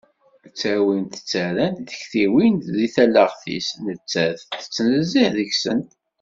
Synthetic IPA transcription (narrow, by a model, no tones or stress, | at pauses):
t͡sːæwint̪ə̥t͡sːæɾænt̪ðəçθiwint̪ðiθælːəʁθḭsnət͡sːæðθə̥t͡sːnəziħðəçsə̰n